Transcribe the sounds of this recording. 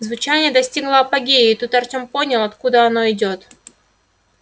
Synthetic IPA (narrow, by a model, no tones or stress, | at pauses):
zvʊt͡ɕænʲɪjəd̪ɐsʲtʲiɡlˠəɐpɐɡʲeːt̪ut̪ɐrt̪ʲomponʲɪlˠɐt̪kud̪əɐnoɪdʲo̞t̪